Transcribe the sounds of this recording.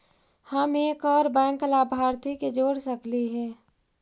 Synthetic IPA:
həmeːkɔːɾbɛ̃ːŋklaːbʱaːɾt̪iked͡ʒoːɽsəkliɦɛː

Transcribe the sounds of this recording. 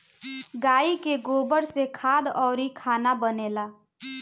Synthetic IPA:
ɡaːikeɡoːbəɽsekʰaːd̪ɔːɾikʰaːnabəneːlaː

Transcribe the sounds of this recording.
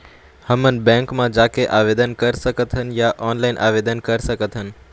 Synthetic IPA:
həmən̆bɛ̃ːŋkmãd͡ʒaːkeʔaːʋeːd̪ənkɐɾsəkət̪ʰənjaʔɔːnlaːɪnʔa̰ːʋeːd̪ənkɐɾsəkət̪ʰənɪ̆

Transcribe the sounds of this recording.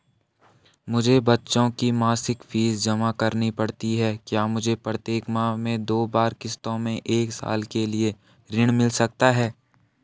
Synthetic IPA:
mʊd͡ʒʱebɐtːʃõkimaːsɪkfʰiːzd͡ʒɐmakɐɾnipɐɽt̪iɦɛːkjaːmʊd͡ʒʱepɾət̪jeːkmãmẽd̪oːbaːɾkɪst̪õmẽʔeːksa̰ːlkelie | ɾɪɽ̃mɪlsɐk̚t̪aɦɛː

